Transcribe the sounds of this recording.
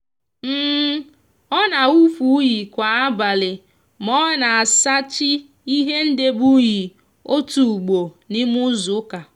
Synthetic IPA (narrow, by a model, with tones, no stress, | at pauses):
m̩ː˦ | ɔ˦na˨u˦fu˨˦ji˨kʷa˨a˦ba˨lɪ˨ | mɔ˦na˨a˨sa˦t͡ʃɪ˦ | i˦ɦe˦n̩˦de˦bu˦ji˨ | o˦tu˨ɡ͡bo˨ | nɪ˦mʊ˦zʊ˨˦ka˨